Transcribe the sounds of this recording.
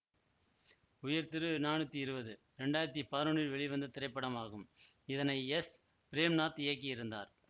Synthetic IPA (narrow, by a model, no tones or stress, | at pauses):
ʊjɐɾt̪ɪɾɯnaːnɯt̪ːiɪɾɯbɐðɯ | ɾɛɳɖaːjɪɾɐt̪̬ːipaːɾɯɳɪlʋɛɭɪʋɐnd̪ɐt̪ɪɾɐɪpːɐɽɐmaːɣɯm | ɪðɐnɐɪɛs | pɪɾeːmnaːt̪eɐk̬ːiɪɾɯnd̪a̰ːɾ